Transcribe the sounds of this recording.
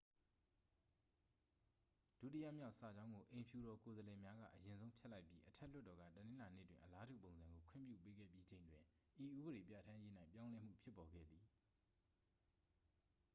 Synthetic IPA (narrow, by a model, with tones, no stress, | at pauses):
d̥ṵ˦˨ti˦jä̰˦˨mja˦ʊʔsa˨d͡ʑã˦ʊ̃ŋɡo˨ʔẽ˨pʰju˨ɾɔ˨ko˨zəlɛ˨mja˦ɡä̰˦˨ʔəjɪ̃˨nzõ˦ʊ̃pʰjɛ˦ʔla˦ɪpji˦ʔətʰɛ˦˨l̥ʊ˦tːɔ˨ɡä̰˦˨tənɪ̃˦la˨nḛ˦˨twɪ̰̃˨ʔəla˦dṵ˦˨põ˨ʊ̃nzã˨ŋɡo˨kʰʊɪ̰̃˦˨mpjṵ˦˨pe˦ɡɛ̰˦˨pji˦d͡ʑẽ˨ɪ̃ndwɪ̃˨ | ʔi˨ʔu˦bə˨ɾe˨pja̰˦˨tʰã˦je˦n̥ã˦ɪ̃pjã˦lɛ˦m̥ṵ˦˨pʰjɪ˦pːɔ˨ɡɛ̰˦˨d̪ði˨